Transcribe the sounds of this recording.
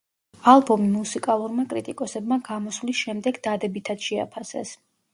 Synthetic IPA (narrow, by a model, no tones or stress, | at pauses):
alˠbɔmimusikʼalˠuɾmakʼɾit̪ʼikʼɔsɛbmaɡamɔslisʃɛmd̪ɛɡd̪ad̪ɛbit̪ʰad̪ʃɛa̰pʰasɛ̰s